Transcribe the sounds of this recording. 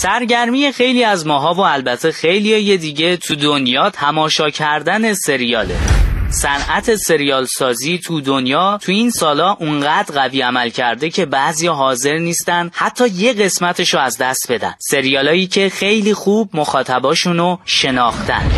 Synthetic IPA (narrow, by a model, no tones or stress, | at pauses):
sæɾɟæɾmije̞xe̞jliːæzmɒːɦɒːvoælbæt̪ʰexejlijɒje̞d̪iːɟe̞t̪ʰud̪onjɒːt̪ʰæmɒːʃɒːcʰæɾd̪æne̞se̞ɾijɒːlḛsænʔæt̪ʰe̞se̞ɾijɒːlsɒːziːt̪ʰud̪onjɒːt̪ʰuiːnsɒːlɒːʔuŋɢæːd̪ɾɣæviːæmælcʰæɾd̪e̞cʰe̞bæzijɒːɦɒːze̞ɾniːst̪ænd̪hæt̪ʰːɒːje̞ɣe̞smæt̪ʰeʃoæzd̪æst̪̚be̞d̪æ̰n̥se̞ɾijɒːlɒːjiːcʰe̞xe̞jliːxuːb̚moxɒːt̪ʰæbɒːʃunoʃe̞nɒːxt̪ʰæ̰n̥